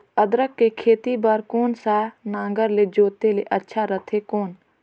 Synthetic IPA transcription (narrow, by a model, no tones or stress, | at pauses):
əd̪ɾəkːekʰeːt̪ibaɾkoːnsaːnãːŋɡəɾled͡ʒoːt̪eleʔətːʃʰaɾət̪ʰekoːn